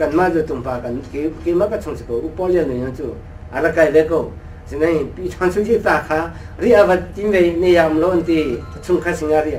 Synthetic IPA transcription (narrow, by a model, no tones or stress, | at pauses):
kanmazutumpakankekemakatʰɔŋsʰikowupɔljanːujnɔntu | aɾakajbekow | sinajpitʰɔnsʰuzetakʰa | ɾiabatimbejnejamlɔntikʰusʰumkʰasiŋaɾi